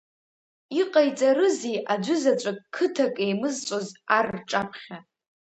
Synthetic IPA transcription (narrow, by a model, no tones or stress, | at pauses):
iqʼajt͡sʼaɾɨzijʔad͡ʒʷʊzat͡ʃʷʼakʼkʰɨtʰakʼejmɨzt͡ʃʷʼozarʈ͡ʂʼapʰχʲa